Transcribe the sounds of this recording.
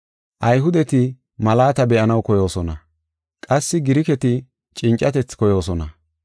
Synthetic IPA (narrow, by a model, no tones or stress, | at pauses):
ʔɐjɦʊd̪ɛt̪ɪ | mɐlaːt̪ɐbɛʔɐnɐwkɔjo̞ːsɔnɐ | kʼɐsːɪɡɪɾɪkɛt̪ɪ | t͡ʃʼɪnt͡ʃʼːɐt̪ɛt͡skɔjo̞ːsɔnɐ